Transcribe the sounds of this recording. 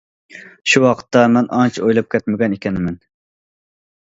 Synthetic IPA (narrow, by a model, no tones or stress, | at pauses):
ʃuwɑqʰə̥t̪ːɑmɛnɑnt͡ʃʰojlˠɑp̚kʲɛt̪mɪɡʲɛnekʲʰɛnɪmɛn